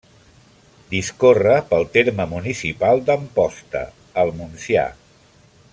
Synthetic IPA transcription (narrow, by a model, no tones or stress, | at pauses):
d̪iskorəpəlˠt̪eɾməmunisipalˠd̪əmpɔst̪ə̰ | əlˠmunsia̰